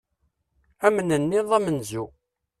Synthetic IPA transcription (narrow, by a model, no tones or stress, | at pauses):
æmənənːɪðˤæmənzu